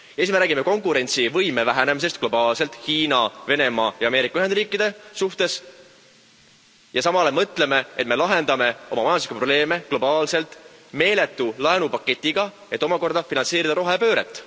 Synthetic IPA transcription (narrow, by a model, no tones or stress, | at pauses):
jesmeɾæːɡimeko̞ŋkuɾe̞nʲt̪sivɤjme̞væɦæne̞mis̬e̞st̪̚klo̞bɑːlse̞lt̪ˑhiːnɑve̞ne̞mɑːjɑɑːme̞ːɾikɑyɦed̪riːkːˑid̪̥e̞suht̪e̞s | jɑsɑmɑle̞mɤt̪ːˑle̞me̞et̪me̞lɑɦe̞nd̪ɑme̞o̞mɑmɑjɑnslikupro̞ble̞ːme̞ɡ̥lo̞bɑːlse̞lt̪ˑme̞ːle̞t̪ːulɑenupɑkːˑe̞t̪ʲːiɡ̥ɑ | e̞t̪ːˑomɑko̞rd̪̥ɑfinɑnse̞ːɾid̪ɑɾo̞ɦepø̞ːɾḛt̪ːˑ